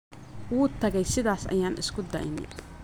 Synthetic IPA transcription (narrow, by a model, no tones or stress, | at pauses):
wuːt̪ʰɐɣɛjsɪðaːsɐ̰jaːnɪskʰʊd̪ɐ̰ʔɪnɪ̰